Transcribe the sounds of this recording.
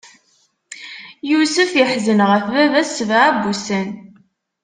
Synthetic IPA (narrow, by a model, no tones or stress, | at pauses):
jusəfjəħzənʁəfvævæsvaʕæbusən